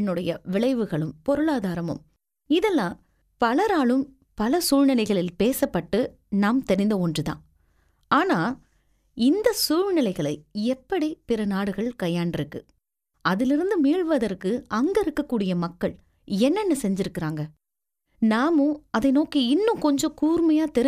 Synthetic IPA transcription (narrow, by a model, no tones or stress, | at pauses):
nɯɽɐjɐʋɪɭɐɪʋɯɣɐɭɯmpɔɾɯɭaːðaːɾɐmɯ̰m | ɪðɛlːãː | pɐlɐɾaːɭɯm | pɐlɐsuːɻnɪlɐɪɣɐɭɪlpeːsɐpːɐʈːɯ | naːmt̪ɛɾɪnd̪ɐɔndrɯðã̰ː | aːnaː | ɪnd̪ɐsuːɻnɪlɐɪɣɐɭɐɪɛpːɐɽipɪɾɐnaːɽɯɣɐɭkɐjːaːɳɖɪɾɯkːɯ | ɐðɪlɪɾɯnd̪ɯmiːɻʋɐðɐɾkɯɐŋɡɛɪɾɯkːɐkːuːɽɪjɐmɐkːɐɭ | ɛnːɛnːɐsɛɲd͡ʒɪɾɯkːɪɾaːŋɡɐ | naːmõɐðɐɪnoːkiɪnːɯ̃kɔɲd͡ʒɔ̃kuːɾmɐjaːt̪ɛɾɪ